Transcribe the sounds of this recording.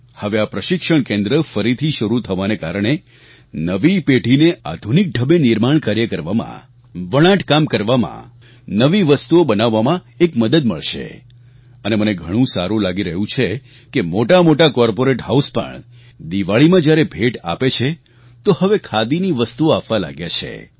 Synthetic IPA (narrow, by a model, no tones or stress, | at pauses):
həʋeapɾəʃɪkʃəɳkẽnd̪ɾəfəɾit̪ʰiʃəɾut̪ʰəʋanekaɾəɳ̃e | nəʋipeʈinea̰d̪ʱunik̚ɖʱəbenɪɾmaɳ̃kaɾjəkəɾʋamã̰ | ʋəɭ̃ãʈkamkəɾʋamã̰ | nəʋiʋəst̪uobənaʋːamã | ekməd̪əd̪məɭʃḛ | əneməneɡʱəɽ̃ũsa̰ɾũlaɡiɾəɦũt͡ʃʰe | kemoʈamoʈakɔɾpoɾeʈɦauspə̰ɳ | d̪iʋaɭimãd͡ʒjaɾebʱeʈa̰pet͡ʃʰe | t̪ohəʋekʰad̪iniʋəst̪uoapʋala̰ɡjat͡ʃʰḛ